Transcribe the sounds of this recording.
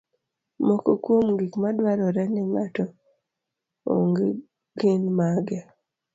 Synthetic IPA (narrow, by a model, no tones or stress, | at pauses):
mokokwomŋɡikmadwaɾɔɾɛneŋatɔ | o̰ŋɡe | ɡinmaɡe